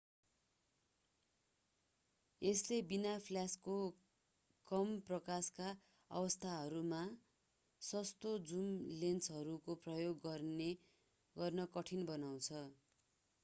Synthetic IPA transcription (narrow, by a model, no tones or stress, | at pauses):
eslebinapʰljasko | kʌmprʌkaska | ʌ̰bʌst̪ʰaɦʌɾuma | sʌst̪od͡zumlent͡sɦʌɾukoprʌjoɡʌrne | ɡʌrnʌkʌʈʰinbʌnaw̃t͡sʰʌ